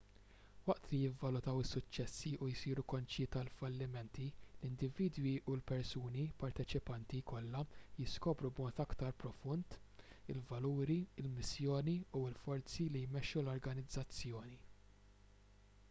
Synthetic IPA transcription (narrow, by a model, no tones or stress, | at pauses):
wɐʔt̪lijɪvːɐlʊt̪ɐwɪsːʊt͡ʃːɛsːiʔujsiːɾukɔnt͡ʃɪt̪ɐlfɐlːɪmɛnt̪ilɪnd̪ɪviːd̪wiʔulpɛɾsuːnipɐɾt̪ɛt͡ʃɪpɐnt̪ikɔlːɐjɪskɔːpɾubmɔːt̪ɐkt̪ɐɾpɾɔfʊnt̪ | ɪlvɐluːɾiɪlmɪsjɔːniuɪlfɔɾt͡silijmɛʃːulɔɾɡɐnɪd͡zːɐt͡sːjɔːni